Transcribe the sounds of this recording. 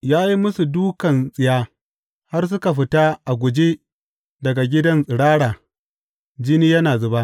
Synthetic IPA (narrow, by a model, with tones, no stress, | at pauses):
jaː˦ji˦mʊ˦su˨duː˦kɐ˨nsʼɪ˨jaː˦ | ha˦rs̬ʊ˦ka˨ɸ̬ɪ˦ta˦ʔa˨ɡʷʊ˨d͡ʒe˦ | dɐ˨ɡa˨ɡʲɪ˦dɐ˦nsʼɪ˨ɽaː˦ɽaː˨ | d͡ʒɪ˦niː˦jɐ˦naː˨zʊ˨ba˦ʔ